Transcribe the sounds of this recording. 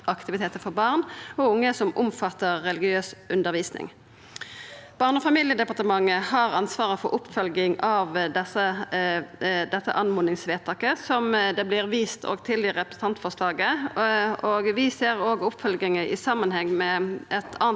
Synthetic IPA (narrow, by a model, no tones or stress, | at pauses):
ʔɑkt̪ɪʋɪt̪ʰeːt̪əfɔʁbɑʁnɔʊŋːəsɔmʊmfɑt̪ːəʁːɛlɪɡɪøːsʔʉnd̪əʁʋiːsnɪ̰ŋ | b̥ɑːʁnəɔfɑmiːljəd̪ɛpɑʁt̪əmɑŋːəhɑʁɑnsʋɑːʁəfɔ̰ɾʔʊpːfœlɡɪŋɑʋd̪ɛsə | d̪ɛt̪ːə̰ʔɑnmʊːnɪŋsʋeːt̪ʰɑkːəsɔmd̪ɛblɪʁʋiːst̪ʰo̰ːɡt̪ʰɪld̪ɪɾɛpɾəs̩ɑnt̪fɔʁʂlɑːɡə | oːɡʋɪseːʁoːɡʊpːfœlɡɪŋəʔɪ̰sɑmːənhɛŋːmɛʔɛt̪ʰɑːn